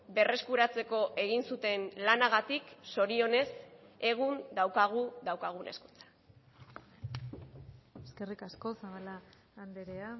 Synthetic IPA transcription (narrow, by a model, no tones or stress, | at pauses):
be̞re̞skuɾat͡se̞ko̞ʔe̞ɣ̞insut̪e̞nlanaɣat̪ikso̞ɾio̞ne̞s | e̞ɣ̞und̪awkaɣ̞uðawkaɣ̞une̞̰sku̥t͡sḁ | eske̞rikasko̞saβalaː | nd̪eɾea